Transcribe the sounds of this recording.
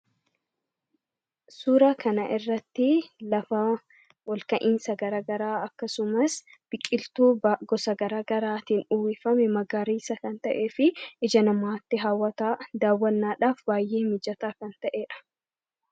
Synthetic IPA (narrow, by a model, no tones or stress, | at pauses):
suːɾaːkɐnɐʔɪrːɐt̪ːɪlɐfɐ | wɐlkɐʔiːnsɐɡɐɾaːɡɐɾaːɐkːɐsʊmɐs | b̥ɪkʼːɪlt̪uːɡɔsɐɡɐɾaːɡɐɾaːt̪iːnʊwɪfɐmɛmɐɡaːɾiːsɐkɐnt̪ɐʔeːfɪʔɪd͡ʒɐnɐmaːt̪ːɪɦaːwːɐt̪aːd̪aːwːɐnːaːᶑaːfbaːjʔe̞ːmɪd͡ʒɐt̪aːkɐnt̪ɐʔeːᶑɐ̥